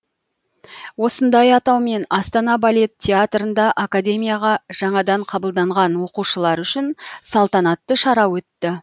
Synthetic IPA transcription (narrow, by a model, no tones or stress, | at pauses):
wo̞sənd̪ɑjɑt̪ɑwme̞nɑst̪ɑnɑbalʲe̞t̪ʲʰːeat̪ɾənd̪ɑʔakad̪ʲe̞mijaʁɑʒ̥ɑɴɑd̪ɑɴqʰɑbəlˠd̪ɑɴʁɑnwo̞quʃəlˠɑɾʏʃɪnsɑlˠt̪ɑnɑt̪ːəʃɑɾɑwɵt̪ːɪ